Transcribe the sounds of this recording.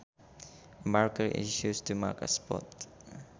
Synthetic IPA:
maɹkəɹʔḭʃustuma̰ɹkə̰spɔ̰t̪

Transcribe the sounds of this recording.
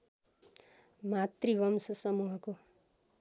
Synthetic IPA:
mat̪ribʌmsʌsʌmuɦʌko

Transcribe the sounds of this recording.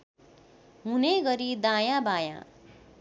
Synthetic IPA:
ɦuneɡʌɾid̪ajãbajã̰

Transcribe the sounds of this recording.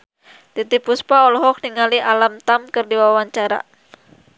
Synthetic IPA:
t̪it̪ipuspaɔlɔɦɔk̚niŋaliʔalamt̪amkɨrdiwawaɲt͡ʃaɾa̰

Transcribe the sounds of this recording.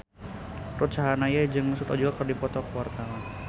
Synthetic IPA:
rut̪̚t͡ʃaɦanajad͡ʒɨŋməsut̪ɔd͡ʒuɡakərdipɔt̪ɔkəwart̪awan

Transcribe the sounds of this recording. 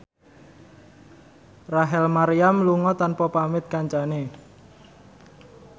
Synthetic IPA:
raɦɛlmaɾiamluŋɔt̪anpɔpamɪt̪̚kaɲt͡ʃane

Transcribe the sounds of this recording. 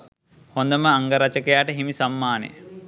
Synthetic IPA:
hond̪ɐməaŋɡɐɾɐt͡ʃɐkejaːʈəɦimisamːaːnḛ

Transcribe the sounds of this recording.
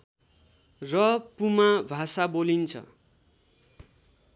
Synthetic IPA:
rʌpumabʱasabolint͡sʰʌ̰

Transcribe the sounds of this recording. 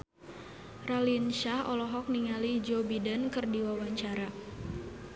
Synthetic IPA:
ralinʃahɔ̰lɔɦɔk̚niŋalid͡ʒobidənkɨrdiwawaɲt͡ʃaɾa

